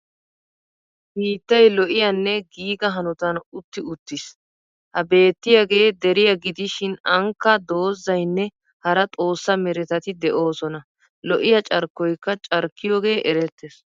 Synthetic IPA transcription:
hiːt̪ːɐjlɔʔɪjɐnːɛɡiːɡɐɦɐnʊt̪ɐnʊt̪ːɪʊt̪ːɪs | hɐbe̞ːt̪ːɪjaɡe̞ːd̪ɛɾɪjɐɡɪd̪ɪʃɪnɐŋkːɐd̪o̞ːzːɐjnːɛ | hɐɾɐt̪ʼo̞ːsːɐmɛɾɛt̪ɐt̪ɪd̪ɛʔo̞ːsɔnɐ | lɔʔɪjɐt͡ʃʼɐɾkːɔjkːɐt͡ʃʼɐɾkːɪjoːɡe̞ːʔɛɾɛt̪ːes

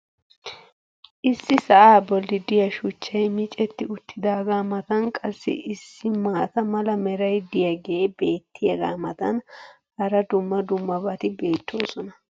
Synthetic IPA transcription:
ʔɪsːɪsɐʔaːbɔlːɪd̪ɪjɐʃʊt͡ʃːɐjmɪt͡ʃʼɛt̪ːɪʊt̪ːɪd̪aːɡaːmɐt̪ɐnkʼɐsːɪ̰ʔɪsːɪmaːt̪ɐmɐlɐmɛɾɐjd̪ɪjɐɡebeːt̪ːɪjɐɡa̰ːmɐt̪ɐn | hɐɾɐd̪ʊmːɐd̪ʊmːɐbɐt̪ɪbe̞ːt̪ːo̞ːsɔnɐ

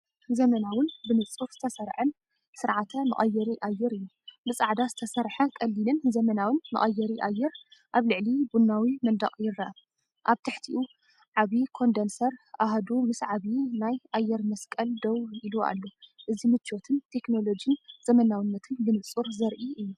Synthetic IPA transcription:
zɐmɐnawɨnbɨnɨt͡sʼuɾz̥ɨt̪ʰɐsɐɾħɨn | sɨɾʕat̪ʰɐmɨ̰χʼɐjːɛɾiʔajːɛɾɨjːu | mɨsʼaʕd̪azɨt̪ʰɐsɐɾħɐkʼɐlːinɨnzɐmɐnawɨnmɨ̰χʼɐjːɛɾiʔa̰jːɛɾʔaβlɨʕlibunːawimɐnd̪ɐ̰χʼjɪɾːɐʔa | ʔaβt̪ʰɨħt̪ʰiʔu | ʕaβikʰo̞nd̪ensɐɾʔaɦad̪umɨsʕaβinajʔajːɛɾmɐskʼɐld̪owiluʔa̰lːo̞ʔɨzimɨt͡ʃːot̪ʰɨnt̪ʰe̞kno̞lo̞d͡ʒiɨnzɐmɐnawɨnːɐt̪ʰɨnbɨnɨt͡sʼuɾzɐɾʔiʔɨjːu

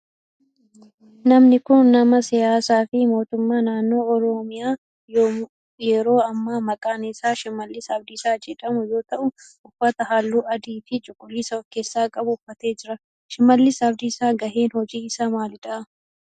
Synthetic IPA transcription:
nɐmnɪkʊnːɐmɐsɪjaːsaːfɪmo̞ːt̪ʊmːaːnaːnːo̞ːɔɾɔmɪjaː | j | jɛɾo̞ːɐmːaːmɐkʼaːnɪsaːʃɪmːɐlːɪsɐbd̪ɪːsaːd͡ʒɛᶑɐmʊjo̞ːt̪ɐʔʊ | ʊfːɐt̪ɐhaːlːuːɐd̪iːfɪt͡ʃʼʊkʼːʊliːsɐɔkːeːsːaːkʼɐbʊʊfːɐt̪e̞ːd͡ʒɪɾɐ | ʃɪmːɐlːɪsɐbd̪ɪsaːɡɐʔeːnhɔd͡ʒiːɪsaːmaːlɪᶑ̪ɐ

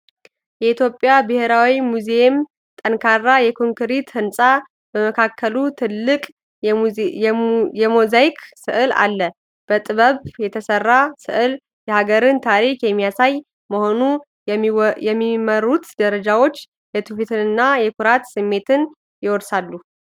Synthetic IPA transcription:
jɛit̪ʰjo̞pʼjabɨheɾawimuzeem | t̪ʼənkʰarːajɛkʰoŋkɨɾit̪hɨnsʼa | bəməkʰakːəlut̪ʰɨlːɨkʼ | jɛmozajkʰsɨʔɨla̰lːə | b̥ət̪ʼɨβəβjɛt̪ʰəsərːasɨ̰ʔɨl | jɛhaɡəɾɨnt̪ʰaɾikjɛmːijasaj | məho̞nu | jɛmːiməɾut̪d̪əɾəd͡ʒawo̞t͡ʃː | jɛt̪ʰufit̪ʰɨnɨnːajɛkʰuɾat̪sɨmːe̞t̪ʰɨn | jɪwɔd̪salːu

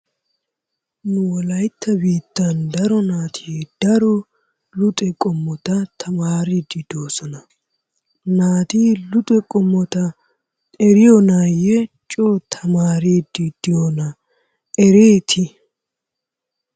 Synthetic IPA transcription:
nʊwɔlɐjt̪ːɐbiːt̪ːɐnd̪ɐɾɔnaːt̪ʰid̪̥ɐɾɔ | lʊt̪ʼɛkʼɔmːɔt̪ɐt̪ʰɐmaːɾid̪ːɪd̪̥oːsɔnɐ | naːt̪iːlʊt̪ʼɛkʼɔmːɔt̪ɐ | ɛɾɪjɔnaːjɛt͡ʃʼoːt̪ʰɐmaːɾiːd̪ɪd̪̥ɪjonɐ | ɛɾeːt̪ʰɪ

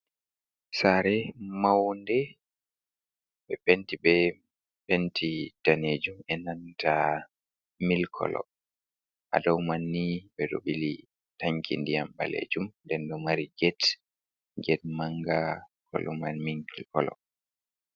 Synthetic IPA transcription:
saɾɛmawndɛ | bɛpentibɛ | pentitaned͡ʒumɛnanta | milkʰɔ̰lɔ̰ | ʔa̰dawmanːibɛdoɓili | taŋkʰḭndijamba̰lḛd͡ʒumndɛndɔmaɾiɡɛt | ɡɛt̚maŋɡakʰɔ̰lɔmanmiŋilkɔlɔ̰

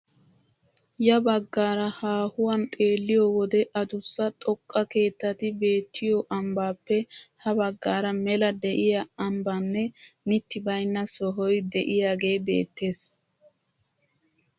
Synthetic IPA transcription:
jɐbɐɡːaːɾɐhaːhʊwɐnt̪ʼe̞ːlːɪjoːwɔd̪ɛʔɐd̪ʊsːɐt̪ʼɔkʼːɐke̞ːt̪ːɐt̪ɪbe̞ːt̪ʰːɪjɔʔɐmbaːpːɛhɐbɐɡːaːɾɐmɛlɐd̪ɛʔɪjɐɐmbɐnːɛmɪt̪ːɪbɐjnːɐsɔɦɔjd̪ɛʔɪjaːɡe̞ːbe̞̰ːt̪ːe̞ːs

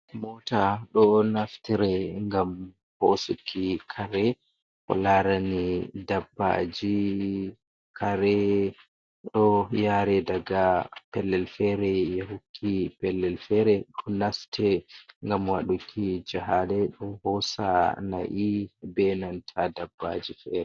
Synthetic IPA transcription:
mɔtaɗɔnaftiɾɛŋɡam | hosukʰːikʰaɾɛ | hɔ̰laɾanidabːa̰d͡ʒi | kʰaɾɛ | ɗɔjaɾɛdaɡapɛlːɛlfɛɾɛjɛhukʰːipɛlːɛlfɛɾɛɗɔnastʰɛŋɡamwaɗukʰːid͡ʒaɦadɛɗɔhɔsana̰ʔibɛnantʰadabːa̰d͡ʒifɛːɾɛ

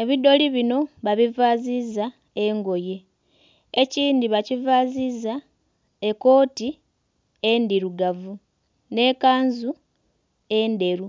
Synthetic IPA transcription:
e̞βido̞liβino̞βaβivaziza | eŋɡo̞je̞ | eciːndiβacivaziza | eko̞ːti | endiɾuɡavu | ne̞kaːnzu | ende̞ɾu

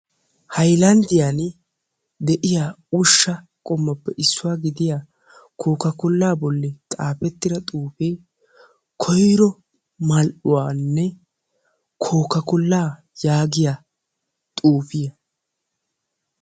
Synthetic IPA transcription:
hɐjlɐnd̪ɪjan | d̪ɛʔɪjaːʊʃːɐ | kʼɔmːɐpːɛʔɪsːʊwaːɡɪd̪ɪjaː | kʰoːkɐkʊlːaːbɔlːɛt̪ʼaːpɛt̪ːɪɾɐt̪ʼuːfej | kʰɔjɾɔ | mɐlʔʊwaːnːɛ | kʰoːkɐkʊlːaː | jaːɡɪja | t̪ʼuːfɪjɐ

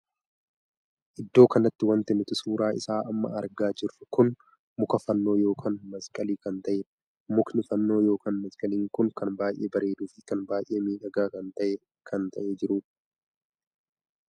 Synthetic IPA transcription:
ʔɪd̪ːo̞ːkɐnɐt̪ːɪwɐnt̪ɛnːɪt̪ʊsuːɾaːʔɪ̰saːʔɐmːɐ̰ɐɾɡaːd͡ʒɪrːɐkʊn | mʊkɐfɐnːo̞ːjo̞ːkʰaːnmɐskʼɐliːkɐnt̪ɐʔɛ | mʊknɪfɐnːo̞ːjo̞ːkaːnmɐskʼɐliːŋkʊŋkɐnbaːjʔeːbɐɾe̞ːd̪uːfɪkɐnbaːjʔe̞ːmiːᶑɐɡaːkɐnt̪ɐʔe | kʰɐnt̪ɐʔed͡ʒɪɾʊː

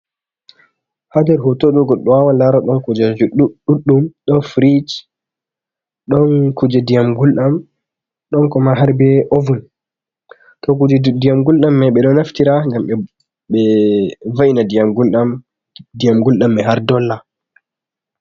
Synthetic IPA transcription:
hadɛɾɦɔtoɗɔɡɔɗɔwawalaɾɔɗɔnkud͡ʒad͡ʒuɗuɗːumɗɔnfɾid͡ʒ | ɗɔnkud͡ʒɛdijamɡulɗam | ɗɔnkɔmaɦaɾbɛʔovun | tɔkud͡ʒdijamɡulɗamːaɓɛɗɔnaftiɾaŋɡamɛ | ɓɛvainadijamɡulɗam | dijamɡulɗamːɛɦaɾdɔlːa

